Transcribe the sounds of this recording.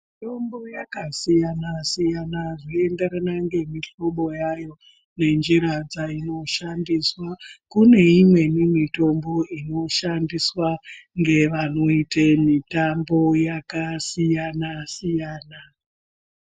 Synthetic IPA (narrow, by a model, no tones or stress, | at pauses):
mito̞mbo̞jakasijanasijanaʐiende̞ɾanaŋɡe̞miɬo̞ɓo̞jajo̞ | ne̞nd͡ʒiɾad͡zaino̞ʃandiswakune̞imwe̞nimito̞mbo̞ino̞ʃandiswaŋɡe̞ʋano̞itemitambo̞jakasijanasijaːna